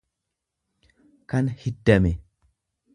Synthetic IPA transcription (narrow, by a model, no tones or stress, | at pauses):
kanhidːamɛ